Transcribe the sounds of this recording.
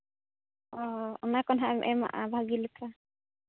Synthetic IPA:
ɔɔnakɔnɦaʔmʔɛma̰ʔabʱaɡilɛpʰa

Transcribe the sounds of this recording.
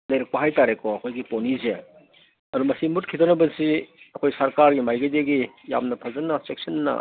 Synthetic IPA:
dɐjɾɐk̚pɐɦajtaɾekɔɐkʰojɡiponize | ɐdumɐsimut̚kʰitonɐbɐsiɐkʰojsɐɾkaɾɡimajɡɐjdeɡi | ja̰mnɐpʰɐzɐnːɐsek̚sɐnːɐ̰

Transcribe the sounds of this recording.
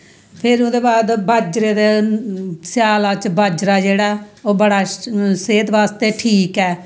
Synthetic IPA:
pʰɪɾʊd̪eːbaːd̪baːd͡ʒɾeːd̪eː | sjaːlaːt͡ʃbʱaːd͡ʒɾaːd͡ʒeːɽaːoːbəɽaːseːt̪ʋaːst̪eːʈʰiːkɛː

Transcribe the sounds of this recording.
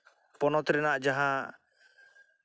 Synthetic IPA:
pɔnɔt̪ɾɛnaʔd͡ʒaɦã

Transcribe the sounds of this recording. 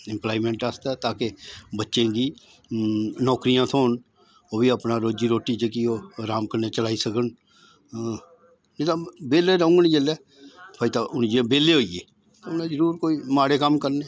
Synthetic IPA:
ɪmplaːimɛ̃ːɳʈast̪ɛːt̪aːkebətːʃẽːɡiː | nɔːkɾijãːt̪ʰoːn | oːbiːəpnãːɾoːd͡ʒiːɾoːʈiːt͡ʃəkioːɾaːmkəneːt͡ʃəlaːiːsəkən | ed̪ãːbeːleːɾə̃ːŋɡənd͡ʒeːlɛː | pʰaːit̪aːʔʊnd͡ʒebeːleːɦoːijeː | t̪ːʊnãːd͡ʒəɾuːɾkoːiːmaːɽeːkəmkəɾneː

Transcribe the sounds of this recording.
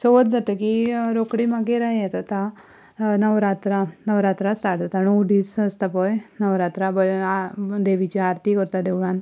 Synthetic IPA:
soʋd̪d̪at̪əkiɾokɽimaɡeɾaiat̪at̪a | nəʋɾat̪ɾanəʋɾat̪ɾasʈaʈd̪at̪anowɖiːsəst̪apɔjnəʋɾat̪ɾabəad̪eʋit͡ɕiaɾt̪ikəɾt̪ad̪eʋɭan

